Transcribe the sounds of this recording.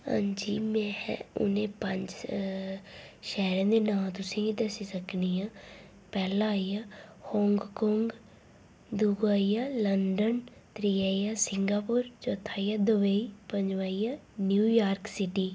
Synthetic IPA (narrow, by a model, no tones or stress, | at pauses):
ã̰ːɲd͡ʒiːmɛ̃ːɛ̰ʊ̰nẽːpəɲd͡ʒ | ʃɛːɾãːd̪eːnãːt̪ʊsẽːɡiːd̪əsiːsəkʰniːãː | pɛːlãːaːiːjaːhɔ̃ːŋɡkɔːŋɡ | d̪uɡaːijaːləɳɖənt̪ɾiːaːjaːsɪŋɡaːpʊːɾt͡ʃoːt̪ʰːaːijaːd̪əʋeiːpəɲd͡ʒʋaːijaːnjuːjaːɾksɪʈiː